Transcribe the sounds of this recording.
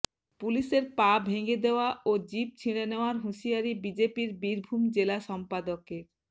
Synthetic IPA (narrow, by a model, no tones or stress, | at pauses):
puliʃeɾpabʱeŋɡed̪eoaʔod͡ʑip̚t͡ɕʰiɽ̃eneoaɾɦuʃiaɾibid͡ʑepiɾbiɾbʱumd͡ʑelaʃɔmpad̪okeɾ